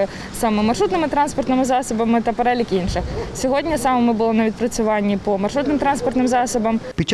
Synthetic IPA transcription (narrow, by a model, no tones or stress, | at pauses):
sɑmɛmɐrʂut̪nɪmɪt̪ɾɑnspɔrt̪nɪmɪzɑsɔbɐmɪt̪ɐpeɾɛlʲikinʃɪxsʲɔɦɔdʲnʲɐsɑmɔmɪbʊlˠɔnɐʋʲid̪̚pɾɐt͡sʲʊʋɑnʲːipɔmɐrʂut̪nɪmt̪ɾɑnspɔrt̪nɪmzɑsɔbɐmpʲit͡ʃ